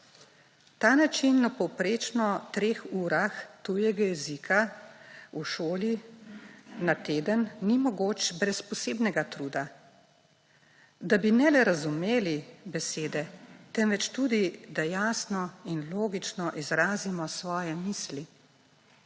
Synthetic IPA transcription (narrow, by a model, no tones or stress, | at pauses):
t̪aːnat͡ʃinːɔpɔwpɾeːt͡ʃnɔt̪ɾeːxuːɾaxt̪ujɛɡajɛzikʰa | uʃoːli | nat̪eːd̪ənːimɔɡoːt͡ʃbɾɛspɔseːbnɛɡat̪ɾuːd̪a | d̪abinɛlɛɾazumeːlibɛseːd̪ɛt̪ɛmʋɛt͡ʃt̪uːd̪id̪ajaːsnɔinloːɡit͡ʃnɔʔizɾaːzimɔsʋɔːjɛmiːsli